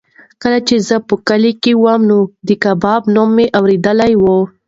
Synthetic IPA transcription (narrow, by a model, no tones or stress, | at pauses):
kəlat͡ʃezəpəkəlekewamnod̪əkabɑbnomːeʔawɾed̪əlajwo